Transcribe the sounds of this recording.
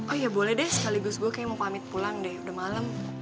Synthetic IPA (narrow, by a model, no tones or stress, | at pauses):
ʔɔjabolɛhdɛhsə̥kaliɡʊsɡuakajaməpamɪt̪̚pulaŋdɛhudahmaləm